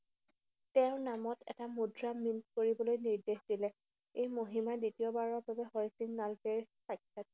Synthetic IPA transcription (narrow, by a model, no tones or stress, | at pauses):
tɛʊ̃namɔtɛ̰tamudɹamint̚koɹibɔlojniɹdexd̥ilɛ | ejmoɦimaditiɔbaɹɔɹbabɛhɔjsiŋnalkeɹ | sajkʰːat̚